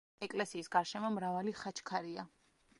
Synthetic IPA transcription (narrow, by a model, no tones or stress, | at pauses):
ɛkʼlɛsiːsɡaɾʃɛmɔmɾavaliχat͡ʃʰkʰaɾia